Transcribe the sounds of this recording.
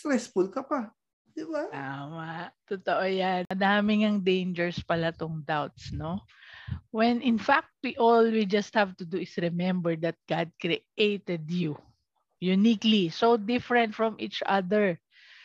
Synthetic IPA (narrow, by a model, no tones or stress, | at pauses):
st̪ɾɛsfulkɐpa | d̪̥ɪbat̪amaʔt̪ot̪oʔojanɐd̪aːmɪŋɐŋd̪ẽjnd͡ʒɛɹspɐlat̪oŋd̪awt̪sno | wɛnɪnfak̚t̪̚wiʔolwid͡ʒɐst̪̚havt̪ʊd̪uɪsɹɛmɛ̃mbɛɹd̪ɐt̪̚ɡ̥ad̪̚kɾiʔʔejt̪ɛd̪ju | jʊniklisowd̪ɪfɹɛnt̪fɹɔmʔit͡ʃʔa̰d̪ɛɹ